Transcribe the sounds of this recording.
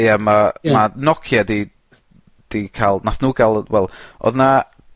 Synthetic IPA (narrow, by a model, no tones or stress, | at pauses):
jamamanɔkʰjadi | d̥ikʰaːlˠnaθnuːɡalˠwɛlˠʔɔ̰ðna